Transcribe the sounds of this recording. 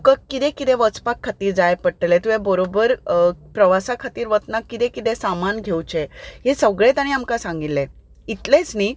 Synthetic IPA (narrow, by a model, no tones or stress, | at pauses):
kəkːit̪ẽkit̪ɛ̃ʋət͡spakʰːat̪iːɾd͡zajpəʈəlet̪uʋebəɾobəɾpɾəʋasakʰat̪iːɾʋət̪nakːit̪ɛ̃kit̪ɛ̃samanɡʱewt͡ɕeɦesəɡɭet̪aɽ̃iamkasãŋɡilːẽ | it̪let͡sni